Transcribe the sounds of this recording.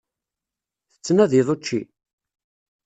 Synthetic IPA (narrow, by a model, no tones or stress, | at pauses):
θə̥t͡sːnæðiðˤot͡ʃːḭ